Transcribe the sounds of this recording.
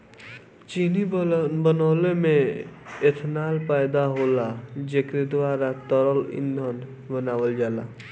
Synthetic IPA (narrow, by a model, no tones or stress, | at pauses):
t͡ʃiːnibənɔːlemẽet̪ʰnaːlpəjd̪aɦoːlad͡ʒeːkɾed̪ʋaːɾat̪əɾəlɪ̰nd̪ʱən | bənaːʋəld͡ʒaːla̰ː